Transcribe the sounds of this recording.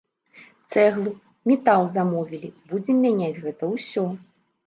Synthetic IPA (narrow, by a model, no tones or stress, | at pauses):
t̪sɛɣlˠu | mʲɛt̪alˠzamɔvʲilʲibud͡zʲɛmʲanʲad͡zʲɣɛt̪ɐwsʲɔ